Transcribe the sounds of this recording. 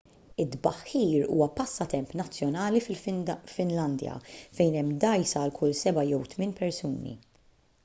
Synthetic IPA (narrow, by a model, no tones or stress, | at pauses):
ɪd̪bɐħːiːɾṵːwɐpɐsːɐt̪ɛmpnɐt͡sːjɔnɐːlifɪlfɪnlɐnd̪jɐ̰fɛjnɛmːd̪ɐjsɐːlkʰʊlːsɛbɐjɛwt̪mɪnpɛɾsuːnḭ